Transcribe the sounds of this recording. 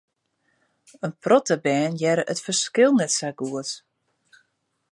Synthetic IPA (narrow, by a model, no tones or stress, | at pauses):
ənprɔtəbɛːnjɛɾəʔətfərskɪlˠnɛtsaɡuət